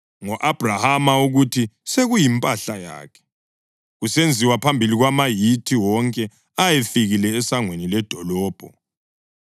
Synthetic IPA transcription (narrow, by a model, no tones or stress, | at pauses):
ŋɔʔab̥ʱrahamauɣutʰiseɣujimpʼaɬaja̰ːkʰɛ̥ | ɣusend͡zʱiwapʰambʱiliɣwamajitʰiwɔŋkʼɛ | ajefiɣilɛːsaŋwenilɛd̥ʱɔlɔːb̥ʱɔ